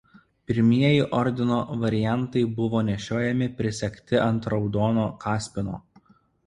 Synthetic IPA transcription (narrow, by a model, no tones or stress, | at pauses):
pʲɪɾʲmʲiɛjɪʔɔɾʲd̪ʲɪnoːʋɐɾʲɪjænˑt̪ɐɪbʊʋoːnʲɛʃʲoːjɛmʲɪpʲɾʲɪsʲɛkʲt̪ʲɪʔɐnt̪ɾɒʊd̪oːnoːkɑːsʲpʲɪno̰ː